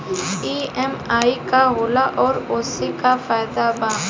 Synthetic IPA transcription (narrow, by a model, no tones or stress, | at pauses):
iːɛmaːikaɦoːlaʔɔːɾoːsekafaːjd̪abaː